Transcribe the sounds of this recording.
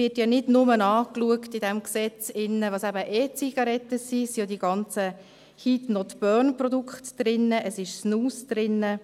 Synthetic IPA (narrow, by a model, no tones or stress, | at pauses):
ɪtjɑnɪdnʊmənɑːkluəktɪdɛmksɛt͡sɪnːəʋɑsæbəʔeːt͡siɡ̥ɑɾɛtːəsisijodiɡ̥ɑnt͡sə | hitnɔtb̥œnprɔdukχtd̥ɾɪnːəʔəsɪʃsnuːsd̪̥ɾɪnːə